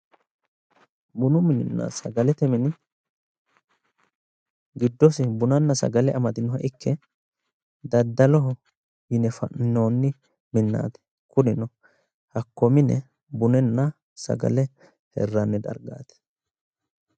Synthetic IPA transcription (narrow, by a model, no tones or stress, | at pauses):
bʊnʊmɪnɪnːa̰sɐɡɐlɛt̪ɛmɛnɪ | ɡɪd̪ːɔsɪbʊnɐnːɐsɐ̰ɡɐlɛʔɐmɐd̪ɪnɔɦɐʔɪkʰːɛ | d̪ɐd̪ːɐlɔɦɔ | jɪnɛfɐ̰ʔnːoːnːɪ | mɪnːa̰ːt̪ɛ̥ | kʊnɪnɔ | hɐkːɔmɪnɛ | bʊnɛnːɐ | sɐ̰ɡɐ̰lɛ | hɛ̰rːɐnːɛd̪ɐ̰ɾɡa̰ːt̪ɛ̥